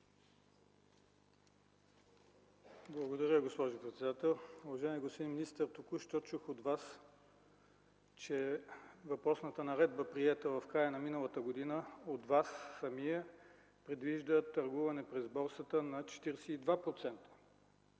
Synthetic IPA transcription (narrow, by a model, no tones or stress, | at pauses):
blˠɐɡod̪ɐɾʲəɡospɔʒʊpɾɛt̪sɛd̪at̪ɛlˠuvɐʒaɛmʲiɡostpod̪iminist̪əɾt̪ukuʃt̪ɔt͡ʃuxod̪vas | t͡ʃɛvɐpɾɔsnət̪ənɐɾɛd̪̚bəpɾiɛt̪əvɐfkɾajənɐminəlˠət̪əɡod̪inəod̪vasːɐmijə | pɾɛd̪viʒd̪ət̪ɐɾɡuvɐnɛpɾɛzbɔɾsət̪ənɐt͡ʃɛ̥t̪iɾɛsɛid̪vapɾot̪sɛnt̪ə̥